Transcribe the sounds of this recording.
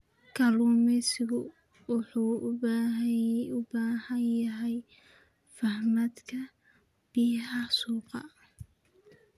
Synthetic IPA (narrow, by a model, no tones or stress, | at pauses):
kʰɐluːmɛsɪɣʊ | wʊħuː | ʊbaːhɐnjɐɦɛj | fɐhmɐd̪kʰɐ | b̥iːɦɐsuːqɑ̰